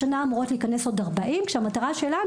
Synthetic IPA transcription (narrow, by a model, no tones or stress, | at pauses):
anaːmuʁo̞tliikane̞so̞daʁbaʔimkʃeamataʁaʃelan